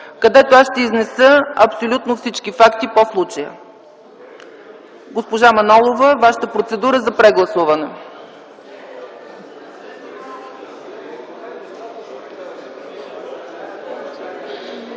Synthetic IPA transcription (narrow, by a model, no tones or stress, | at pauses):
kɐd̪ɛt̪oasʃt̪ɛiznɛsəɐpsolʲut̪nofsit͡ʃkifakt̪iposlˠut͡ʃəjə̰ | ɡospoʒamɐnɔlˠovəvaʃə̥t̪əpɾot̪sɛd̪uɾəzɐpɾɛɡlˠɐsuvɐnɛ